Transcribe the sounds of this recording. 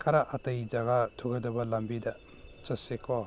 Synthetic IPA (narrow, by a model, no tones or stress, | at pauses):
kʰaɾaʔatɐjd͡ʒaɡatʰuɡɐdɐbɐlambidɐ | t͡ʃɐsekʰɔ